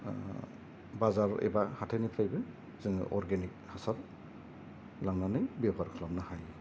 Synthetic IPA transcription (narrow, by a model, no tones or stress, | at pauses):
bazaɾɛ̰bahatʰanipʰɾajbɯn | zɯŋɯʔɔɾɡenik̚hasat | laŋnanɯjbɛbaɾkʰlam̚nahaj